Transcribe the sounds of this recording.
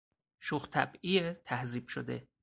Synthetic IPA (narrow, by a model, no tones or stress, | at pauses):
ʃuxt̪ʰæ̰biet̪ʰæhziːb̥ʃo̰d̪ḛ